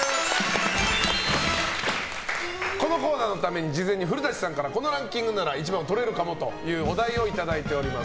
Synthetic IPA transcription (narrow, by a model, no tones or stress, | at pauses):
ko̞no̞ko̞ːnaːno̞t̪ame̞ɲ̟id͡ʑizẽ̞ɲ̟ːiɸɯ̟ɾɯ̟d̪aɕi̥sãŋkaɾako̞no̞ɾãŋkʲĩŋɡɯ̟naɾait͡ɕibãnt̪o̞ɾe̞ɾɯ̟kamo̞t̪o̞jɯ̟ːod̪aio̞it̪ad̪ait̪e̞o̞ɾʲimas